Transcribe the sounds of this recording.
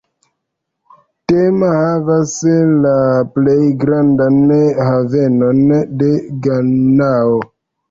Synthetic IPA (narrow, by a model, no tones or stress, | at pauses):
temahavaslaplejɡɾandanhaveno̞nde̞ɡanao